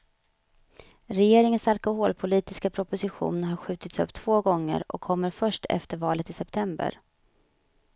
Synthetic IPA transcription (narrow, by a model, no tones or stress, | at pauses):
ɾɛjeːɾɪŋənsalkʊɦoːlpʰʊliːt̪ɪskapʰɾʊpʊsɪɧṵːnɦaɾɧʉ̟ːt̪ɪt̪sɵ̰pːt̪ʰv̥oːɡɔŋːə̰ɾɔ̰kʰːɔmːəɾfœʂʈʰɛ̰ft̪əɾvɑːlət̪ɪsɛpt̪ʰɛmbə̰ɾ